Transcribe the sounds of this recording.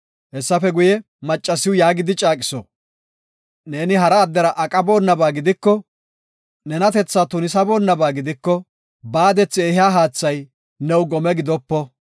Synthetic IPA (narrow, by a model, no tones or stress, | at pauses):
hɛsːɐfɛɡʊjɛ | mɐt͡ʃʼːɐsɪwʊjaːɡɪd̪ɪt͡ʃʼaːkʼɪsɔ̰ | ne̞ːnɪɦɐɾɐːd̪ːɛɾɐʔɐkʼɐbo̞ːnːɐbaːɡɪd̪ɪkːɔ | nɛnɐt̪ɛt͡sːaːt̪ʊnɪsɐbo̞ːnːɐbaːɡɪd̪ɪkːɔ | baːd̪ɛt͡sːɪɛhɪjaːɦaːt͡sːɐj | nɛwɡɔmɛɡɪd̪ɔpːɔ